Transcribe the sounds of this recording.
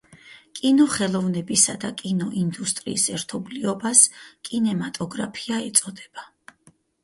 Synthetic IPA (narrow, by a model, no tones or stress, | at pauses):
kʼinɔχɛlˠɔvnɛbisad̪akʼinɔʔind̪ust̪ʼɾḭːsɛɾt̪ʰɔbliɔbaskʼinɛmat̪ʼɔɡɾapʰiaɛt̪sʼɔd̪ɛb̥a